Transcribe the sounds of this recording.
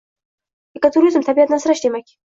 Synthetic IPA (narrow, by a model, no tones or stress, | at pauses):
ekat̪ʰuɾizɨmt̪ʰabiat̪nansɾaʃt̪emakʲi̥